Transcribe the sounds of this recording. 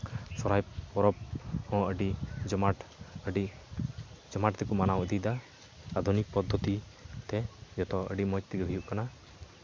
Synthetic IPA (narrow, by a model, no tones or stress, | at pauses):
sɔɾajpɔɾɔp̚hɔ̃əɖid͡ʒɔmaʈəɖi | d͡ʒɔmaʈt̪ɛkumanawʔəd̪id̪a | ad̪ʱunik̚pɔd̪ʱːɔt̪i | t̪ɛd͡ʒɔt̪ɔə̰ɖimɔjt̪ːiɡɛbʱijuʔkana